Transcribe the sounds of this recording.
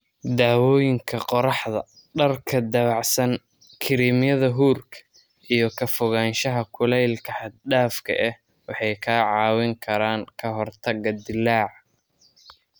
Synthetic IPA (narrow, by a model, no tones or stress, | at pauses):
d̪aːwɔːjɪŋkʰɐqɔɾɑħðɐ̰ | ɖɐrkʰɐd̪ɐβɑʕsɐn | kʰɪɾiːmjɐðɐɦuːrkʰɐ̥ | ʔijɞkʰɐfʊɣaːnʃɐɦɐkʰʊlɛjlkʰɐħɑd̪ɖaːfkʰɐ̰ʔɛh | wɑħɑjkʰaːʕɑːwɪŋkʰɐɾaːŋkʰɐɦɔrt̪ʰɐɡɐd̪ɪlːaːʕ